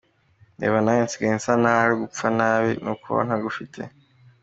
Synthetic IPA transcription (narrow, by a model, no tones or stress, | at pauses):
nḛːβanajensi̥ɡajinsanaːɾiɡup͡fanaːβinukuβa̰n̥aɡufitʰe̞̰